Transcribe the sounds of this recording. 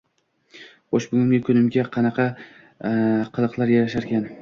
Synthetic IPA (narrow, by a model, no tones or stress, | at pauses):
oʃbʊɡʲɪmɡʲakʲʰʊnɪmɡʲaqʰɑnɑqʰɑ | qʰɨlˠɨqlˠaɾjaɾaʃaɾkʲʰan